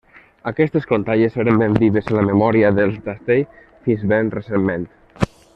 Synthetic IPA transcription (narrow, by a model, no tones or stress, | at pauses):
akɛst̪eskont̪aʎeseɾəmbend̪iðezəlamemɔɾiəðəlˠt̪ast̪ej | finzβenresemːẽnt̪